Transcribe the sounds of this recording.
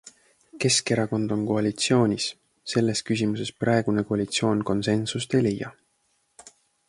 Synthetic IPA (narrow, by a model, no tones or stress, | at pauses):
ke̞ske̞ɾɑko̞nd̪̥o̞nko̞ɑlit̪sio̞ːnʲis | se̞lːe̞skys̬ʲimuse̞sprɑe̞ɡ̥unekoɑlʲit̪sio̞ːnko̞nse̞nsust̪e̞jlejːɑ